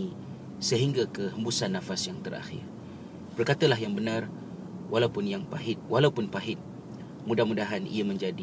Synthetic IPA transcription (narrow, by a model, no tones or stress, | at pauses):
i | səɦiŋɡakəɦəmbusanːãfasjaŋt̪əɾa̰xɪ̰r | b̥ərkat̪alaɦjaŋbənãr | walaupʊnjaŋpaɦɪt̪̚walaupʊnpaɦɪt̪̚ | mudahmudaɦanḭamə̃ɲd͡ʒadi